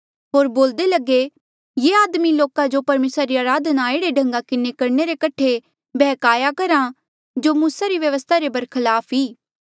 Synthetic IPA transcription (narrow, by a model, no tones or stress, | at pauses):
ɦoːɾboːld̪elɐɡe | jeaːd̪miloːkad͡ʒopɐɾmeːsɾaɾiaːɾaːd̪ʱnaeːɽeɖʱɐ̃ŋɡakɪnekɐɾneɾekɐʈʰe | bʱɛːkaːjakɐɾa | d͡ʒoːmuːsaɾiʋjɐʋəst̪ʰaɾebɐɾkʰɐlaːpʰɦiː